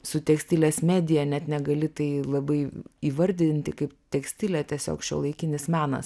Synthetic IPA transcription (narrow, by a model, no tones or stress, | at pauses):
sʊt̪ʲɛksʲt̪ʲɪlʲɛːsmʲæːd̪ʲɪjɛnʲɛt̪nʲɛɡɐlʲɪt̪ɐɪlˠɐbɐɪiːʋɐɾʲd̪ʲɪnʲt̪ʲɪkɐɪpt̪ʲɛksʲt̪ʲɪlʲɛt̪ʲiɛsʲo̰ːkʃʲṵɔlˠɐɪkʲɪnʲɪsmʲæːnɐ̰s